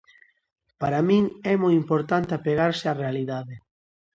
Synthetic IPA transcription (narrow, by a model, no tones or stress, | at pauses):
paɾamĩŋɛmojimpoɾt̪ant̪eapeɣaɾsearealiðaðe